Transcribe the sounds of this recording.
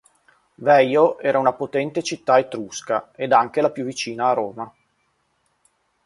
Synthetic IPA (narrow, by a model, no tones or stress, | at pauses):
vɛjoɛːɾaunapot̪ɛnt̪et͡ʃit̪ːaet̪ɾuskaed̪aŋk̟elapjuvːit͡ʃiːnaːɾoːma